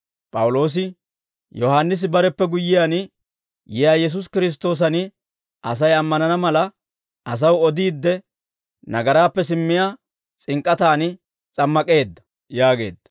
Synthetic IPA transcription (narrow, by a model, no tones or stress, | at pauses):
pʼɐwʊlo̞ːs̬ɪ | jɔhaːnːɪs̬ɪbɐɾɛpːɛɡʊjːɪjaːn | jɪjaːjɛs̬ʊs̬kɪɾɪs̬t̪o̞ːs̬ɐn | ʔɐs̬ɐjɐmːɐnɐnɐmɐlɐ | ʔɐs̬ɐwɔd̪iːd̪ːɛ | nɐɡɐɾaːpːɛsɪmːɪjaː | t͡sʼɪŋkʼːɐt̪aːnɪ | t͡sʼɐmːɐkʼe̞ːd̪ːɐ | jaːɡe̞̰ːd̪ːɐ̥